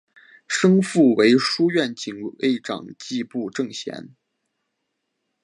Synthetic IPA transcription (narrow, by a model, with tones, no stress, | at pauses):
ʂɤ˥ŋfu˥˩we˧˥ɪʂu˥ɥɛ˥˩nt͡ɕi˨˩ŋḛ˥˩ɪʈ͡ʂɑ̰˨˩ŋt͡ɕi˥˧pu˥˧ʈ͡ʂɤ˥˩ŋɕjɛ̰˧˥n